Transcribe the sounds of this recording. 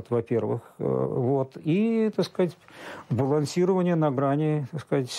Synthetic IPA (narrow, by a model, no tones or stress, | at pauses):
t̪vɐpʲervɨ̰xvo̞t̪it̪ɐkskəzatʲbəlˠɐnsʲiɾəvənʲɪjənɐɡɾanʲɪt̪ɐkskəzatʲ